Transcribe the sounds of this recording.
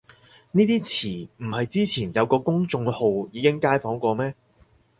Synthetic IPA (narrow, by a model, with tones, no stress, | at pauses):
niː˥t̪iː˥t͡sʰiː˨˩m̩˨˩hɐ˨jt͡siː˥t͡sʰiː˨˩njɐ˨˧wkɔː˧kʊ˥ŋt͡sʊ˧ŋho˨wjiː˨˧kɪ˥ŋkaː˥jfɔː˨˥ŋkʷɔː˧mɛː˥